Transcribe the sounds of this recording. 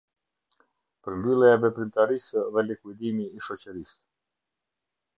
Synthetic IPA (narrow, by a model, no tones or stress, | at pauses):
pəɾmbylˠɛavɛpɾymt̪aɾisəðɛlikwid̪imiːʃɔt͡ɕɛɾis